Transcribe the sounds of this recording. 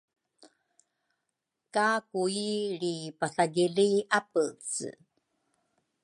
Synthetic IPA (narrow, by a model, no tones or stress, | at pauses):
kakuiɾipasaɡiliapət͡s